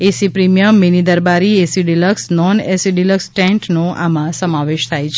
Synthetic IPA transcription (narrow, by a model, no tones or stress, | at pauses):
esipɾimijəmːinid̪əɾbaɾiesiɖiləksnɔnesiɖiləksʈɛ̃ɳʈnoa̰mãsəmaʋeʃt̪ʰajt͡ʃʰe